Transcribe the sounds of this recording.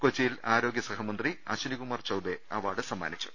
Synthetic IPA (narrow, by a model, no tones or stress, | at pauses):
kot͡ɕːijilaːɾo̞ːɡjɐsɐɦɐmɐnd̪riɐ̰ːɕuniɣumaːrt͡ɕɐwbeɐʋaːɽɨsɐmːa̰ːnit͡ɕːu̥